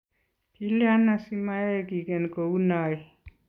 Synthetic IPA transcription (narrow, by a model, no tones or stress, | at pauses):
kiljanːasimajekikenkounai